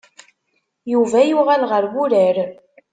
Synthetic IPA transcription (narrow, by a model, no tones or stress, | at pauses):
juvæjuʁælʁəɾwuɾəɾ